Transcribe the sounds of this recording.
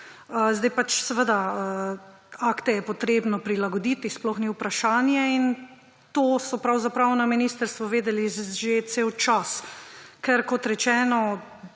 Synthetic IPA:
əzd̪ajpat͡ʃsɛʋəd̪aə | akt̪ɛjɛpɔt̪ɾeːbnɔpɾilaɡɔd̪it̪isplɔxniwpɾaʃaːnjɛin | t̪oːsɔpɾawzapɾawnaminist̪əɾst̪ʋɔʋeːd̪ɛliʒet̪seːwt͡ʃaskɛɾkɔt̪ɾɛt͡ʃɛːnɔ

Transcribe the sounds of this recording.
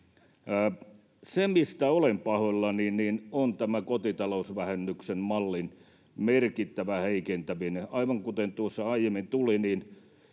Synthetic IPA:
semist̪æolempɑholːɑniːnniːnont̪æmækot̪it̪ɑlousʋæhenːyksemmɑlːin | merkit̪ːæʋæheikent̪æʋineʔɑiʋɑŋkut̪ent̪uosːɑɑijemint̪uliniːn

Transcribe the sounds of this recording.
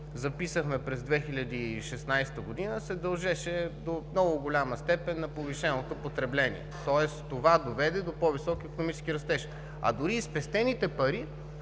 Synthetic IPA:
zɐpisəxmɛpɾɛzd̪vɛxilʲɐd̪iʃɛsnajst̪əɡod̪inəsɛd̪ɐlˠʒɛʃɛd̪omnɔɡʊɡolʲaməst̪ɛpɛnːɐpoviʃɛnot̪opot̪ɾɛblɛnḭɛ̰t̪ɔɛst̪ovad̪ovɛd̪ɛd̪opɔvisɔkiːkonomit͡ʃɛ̥skiɾɐst̪ɛʃ | ɐ̰d̪ʊɾispɛst̪ɛnit̪ɛpɐɾi

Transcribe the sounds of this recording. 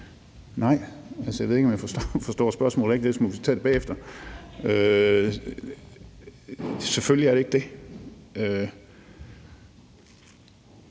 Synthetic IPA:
nɑ̈ɪ̰ | ælsəjae̝ð̞ˠe̝ɡ̥ɒmjafɒsfɒ̽sd̥ɔ̰ːsb̥ɶɐsmɔ̰lˠeɡ̥̚d̥esmuʋisə̥t͡sʰɛ̰ːd̥eb̥ɛ̰ːefd̥ɐ | ø | seføljiæɐɾe̝ɡ̥̚d̥e̝ | ø

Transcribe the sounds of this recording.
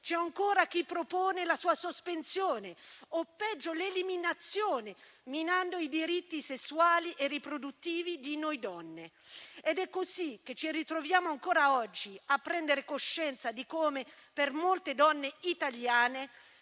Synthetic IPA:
t͡ʃɛaŋkoːɾak̟ipːɾopoːnelasuːasospensjoːneopːɛd͡ʒːoleliminat̪sːjoːneminand̪oid̪iɾit̪ːisesːuaːliʔerːipɾod̪ut̪ːiːvid̪inojd̪ɔnːe | ed̪ɛkːozik̟ːet͡ʃːirit̪ɾovjaːmoaŋkoːɾaɔd͡ʒːiapːɾɛnd̪eɾekoʃːɛnt̪sad̪ikoːme | permolt̪ed̪ɔnːeit̪aljaːne

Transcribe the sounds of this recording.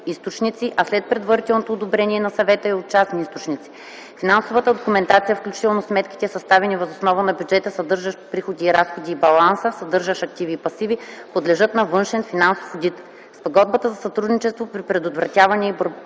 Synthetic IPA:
ist̪ot͡ʃnit̪siʔɐslɛt̪̚pɾɛd̪vəɾit̪ɛlˠnot̪oːd̪obɾɛniɛnɐsɐvɛt̪əiot̪̚t͡ʃasniist̪ot͡ʃnit̪si̥ | finansovət̪əd̪okumɛnt̪at̪sijəfklʲut͡ʃi̥t̪ɛlˠnosmɛt̪kʲi̥t̪ɛsɐst̪avɛnivɐzosnɔvənɐbjud͡ʒɛt̪əsɐd̪ɤɾʒəʃpɾixod̪iːɾasxod̪iːbɐlˠansəsɐd̪ɤɾʒəʃɐk̚t̪iviːpɐsivipod̪lɛʒɤt̪nɐvɤnʃɛnfinansofod̪it̪ | spoɡɔd̪̚bət̪əzɐsɐt̪ɾud̪nit͡ʃɛst̪vopɾipɾɛd̪ot̪vɾɐt̪ʲavɐnʲɛiboɾ

